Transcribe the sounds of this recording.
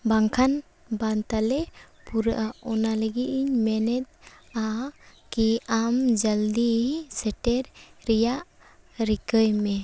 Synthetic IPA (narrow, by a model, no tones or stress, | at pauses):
baŋkʰan | bant̪ale | puɾʔaɔnaleɡiʔiɲmɛnɛt̪̚ | akiamd͡ʒald̪isɛʈeɾɾijaʔ | ɾikəjmɛ